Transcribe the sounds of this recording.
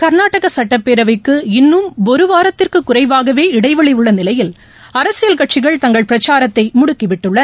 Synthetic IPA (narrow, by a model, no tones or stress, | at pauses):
kɐɾnaːʈːɐɣɐsɐʈːɐpːeːɾɐʋɐɪkːɯɪnːɯmɔɾɯʋaːɾɐt̪ːɪrkɯkːʊrɐɪʋaːɣɐʋeːɪɽɐɪʋɐɭɪʋɯɭːɐnɪlɐjɪl | ɐɾɐsɪjɐlkɐʈ̚t͡ʃɪɣɐɭt̪ɐŋɡɐɭpɪɾɐt͡ʃːaːɾɐt̪ːɐɪmʊɽʊkːɪʋɪʈːɯɭːɐ